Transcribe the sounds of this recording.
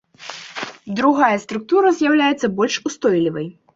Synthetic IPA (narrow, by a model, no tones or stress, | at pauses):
d̪ɾuɣajɐst̪ɾuk̚t̪uɾɐzʲjawlʲajɛt̪sːɐbɔlʲʂust̪ɔjlʲivɐj